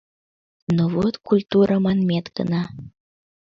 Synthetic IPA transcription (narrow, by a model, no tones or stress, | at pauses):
novot̪kulʲt̪uɾəmɑnmʲet̪ɡə̰nɑ